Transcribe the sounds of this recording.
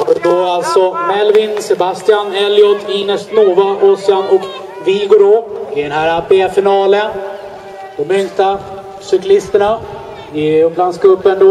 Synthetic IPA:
d̪oalt̪sɔmɛlvɪnsɛbast̪ɪanɛljɔt̪ʰːɪnɛsnoːvaʔɔsɪanɔk | vɪɡoːɖoɪd̪ɛnɦæɾapefɪnɑːlən | d̪̥ɔmʏŋt̪a | sʏklɪst̪əɳa | ɪblanskɵpːənd̪o

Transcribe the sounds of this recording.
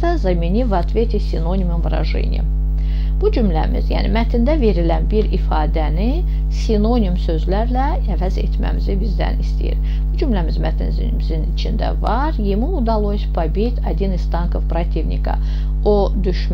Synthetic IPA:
ɑzɑminivɑt̪vet̪ʰisʲino̞nʲimumvɾɑ̰ʒɨ̰nʲḭm | b̥ud͡ʒymlæ̰mḭzjæ̰ːnḭmæt̪ʰind̪æve̞ɾilænbiɾifɑːd̪æni | sʲino̞nʲimsø̞zlæɾlæ | ævæzḛt̪mæ̰mizibizd̪æ̰nist̪ḭjḭɾ | b̥ud͡ʒymlæmizmæt̪ʰinzinimizinit͡ʃʰind̪æ̰vɑɾjemuud̪ɑlˠosʲpʰabit̪ʰɑd̪ʲinist̪ɑŋkʰovpɾat̪ʰivnʲḭkʰɑ̰ | o | d̪yʃm

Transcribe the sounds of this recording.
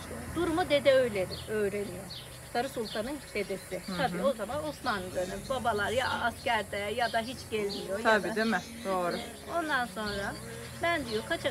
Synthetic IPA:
d̪uɾumud̪e̞d̪ɛø̞jlʲed̪ɪø̞jɾe̞nijo̞ | sʰaɾɯsulˠt̪ʰanɯnse̞d̪esɪt̪ʰabiːo̞zamanosmanɯd̪ønømbabalˠaɾjaːscæɾd̪ɛjad̪aɦit͡ʃɟɛlʲmijoj̪ʰaab̪iːd̪emɛ | d̪oːɾʊ | o̞nd̪anso̞nɾa | bænd̪ijokʰat͡ʃʰa

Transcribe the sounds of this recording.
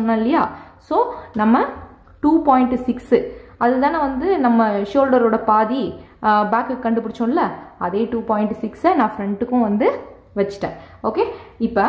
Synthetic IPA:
ɔnːɐɪlːɐjaːsoːnɐmːɐ | ʈuːpɔːɪɳʈsɪksɯɐðɯt̪̬ãːnɐʋɐnd̪ɯnɐmːɐʃoːlɖɐɾoːɽɐpaːðibaːkːɯkːɐɳɖɯpʊɽɪt͡ʃːõːɪlːɐɐðeːʈuːpɔːjɪɳʈsɪksɐnãːfɾɛɳʈɯkːʊ̃ʋɐnd̪ɯ | ʋɐt͡ʃːɯ̥ʈːḛ̃ː | oːkeːɪpːɐ

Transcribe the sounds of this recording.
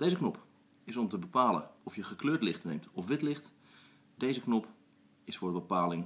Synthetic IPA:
d̥ejzəknɔp | ɪsɔmtəbəpaːlə̰ɔfjəχəkløːɹtlɪχtnejmtɔfʋɪtlɪχt | dejzəknɔp | ɪsfʊːɹdəbəpaːlɪŋ

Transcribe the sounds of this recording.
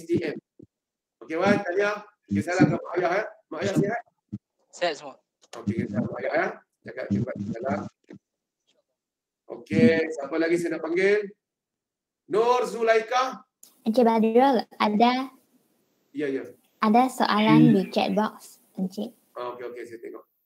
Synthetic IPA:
ɛst̪iʔɛm | okewant̪alia | kesaalakamaʔjahamaʔajahseɦat̪̚ | sɛtsmɔ | okekɛsalamaʔajaha | daka̰ʔ̚t͡ʃibat̚sala | ʔo̰kesapalaɡisanaʔpaŋɡel | nɔrzulaika | ãnt͡ʃebadɹəlʔada | jaja | ʔadaso̰ʔalãnbit͡ʃɛ̰t̚bɔk̚s | ə̃nt͡ʃeʔ̚ | aokeokesajat̪ɛ̰ŋɔ̰ʔ

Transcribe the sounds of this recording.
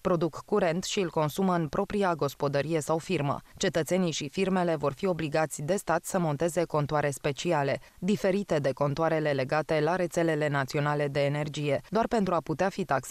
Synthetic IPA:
pɾo̞d̪ukːuɾe̞nt̪ʃiɨlko̞nsuməɨnpɾo̞pɾiaɡo̞spo̞d̪əɾije̞sawfirmə̰t͡ʃe̞t̪ət̪seniʃifirme̞le̞vo̞rfio̞bliɡat̪sʲd̪e̞st̪at̪səmo̞nt̪e̞ze̞ko̞nt̪oaɾe̞spe̞t͡ʃiale̞ | d̪ife̞ɾit̪e̞d̪e̞ko̞nt̪oaɾe̞le̞le̞ɡat̪e̞laɾe̞t̪se̞le̞le̞nat̪sio̞nale̞d̪e̞ːne̞rd͡ʒije̞d̪oarpent̪ɾuaput̪eafit̪aks

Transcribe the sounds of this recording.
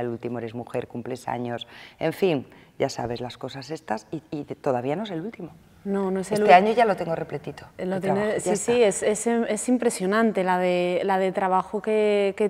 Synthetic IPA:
elult̪imoeɾemuxe̞ɾkumple̞sa̰ɲose̞̰ɱfin | ɟ͡ʝasa̰βe̞zlasko̞sase̞st̪asiit̪o̞ðaβianoes̬elult̪imo | no̞noeselueaɲoʝalot̪eŋɡoreplet̪it̪olot̪jenesisiese̞see̞simpɾe̞sjo̞nãnt̪e̞laðelaðet̪ɾaβ̞axokeke

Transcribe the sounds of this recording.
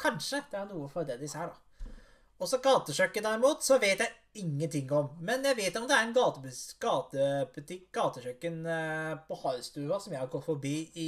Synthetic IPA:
kʰɑnʂəd̪ɛæɾnuːəfɔɾd̪ɛd̪ɪseːɖɑ | ɔsɔɡɑːt̪əɕœkːənd̪æɾɪmuːt̪sɔʋeːt̪jæɪ | ɪŋːənt̪ʰɪŋːɔmːɛnjæɪʋeːt̪ɔmd̪ɛæɾɛnɡɑːt̪əbɡ̥ɑːt̪əbʉt̪ʰɪkɡ̥ɑːt̪əɕœkːənpɔhɑʏst̪ʉːʋɑsɔmjæɪhɑɾɡɔfɔɾbiːɪ

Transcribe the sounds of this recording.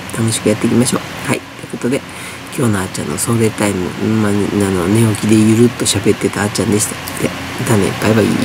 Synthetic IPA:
t̪ano̞ɕi̥kɯ̟jat̪ːe̞kʲimaɕo̞ːhait̪ːoɯko̞t̪o̞d̪e̞ | kʲo̞ːnoat͡ɕã̰nːoso̞ːɾe̞t̪aimɯ̟̰mananone̞okʲid̪e̞jɯ̟ɾɯ̟t̪ːo̞ɕabe̞t̪ːe̞t̪aːt͡ɕãnd̪e̞ɕit̪ḁ | t̪e | t̪anḛḭpːaiβaḭː

